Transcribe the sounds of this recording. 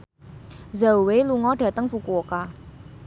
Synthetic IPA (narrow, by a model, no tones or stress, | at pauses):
zauweluŋɔɖ̥ä̤t̪əŋfukuoka